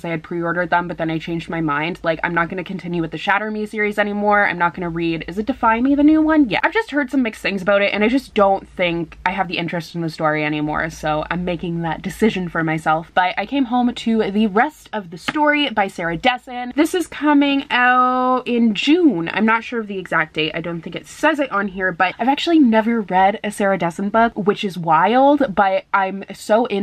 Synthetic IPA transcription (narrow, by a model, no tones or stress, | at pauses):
zaɪɨd̚pʰɹ̥iɔɹɾə˞d̪̚ðə̃mbʌt̪̚ðɨ̃naɪt͡ʃʰẽɪ̃nd͡ʒd̚maɪmãɪ̃nd̥laɪkã̰ɪ̃mnət̚ɡ̥ʌnɨkʰɨ̃n̩tʰɪ̃njʉwɨðɨʃæɾə˞misɪɹizɛñimɔɹã̰ɪ̃mnət̚ɡ̥ʌnɨɹiɾɨzɨt̚d̥ɨfãɪ̃nmiðɨnʉwʌ̃njɛ̰ʔaɪvd͡ʒʌst̚hɜ˞d̥sʌ̃mːɪksθɪ̃ŋzəbaʊɾɨɾʔɨ̰̃ñaɪd͡ʒʌsd̥õʊ̃nθɪ̃ŋkaɪɨvðiʔɪ̃nt͡ʃɹ̥ɨstn̩ðɨstɔɹiɛñimɔ̰ɹsoʊʔã̰ɪ̃mːeɪkɪ̃ŋðət̚d̥ɨsɪʒɨ̃nfə˞maɪsɛlˠfb̥ʌɾa̰ɪkʰẽɪ̃mɦõʊ̃mtʰɨðɨɹɛstʌvðɨstɔɹibaɪsɛɹɨdɛsɨ̃nðɪsɨz̥kʰʌmɪ̃ŋaʊɾɪ̃nd͡ʒʉ̃nã̰ɪ̃mnətʃʊɹʌvðiɨɡzæk̚d̥eɪta̰ɪdõʊ̃nθɪ̃ŋkɨtsɛzɨɾn̩ɦiɹbʌɾ̚aɪvæk̚t͡ʃʉl̩ˠinɛvə˞ɹɛɾɨsɛɹɨdɛsɨn̩bʌɡwɨt͡ʃɨzwaɪlˠd̚b̥ʌɾʔãɪ̃msoʊʔɪ̃